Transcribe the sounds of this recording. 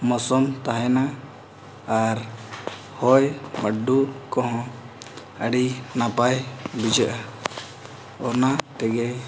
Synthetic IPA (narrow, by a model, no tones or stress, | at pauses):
mɔsɔmt̪aɦɛnaː | ɾ | hɔjmaɖukɔɦɔ̃ | əɽinapajbid͡ʒəʔa | ɔnat̪ɛɡɛ